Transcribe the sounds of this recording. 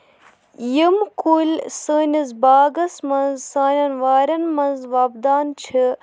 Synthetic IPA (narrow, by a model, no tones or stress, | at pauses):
jimkulsəːnʲizbaːɡɐsmɐnzsaːnɐnʋaːɾɐnmɐnzʋaːbd̪aːnt͡ʃʰɨ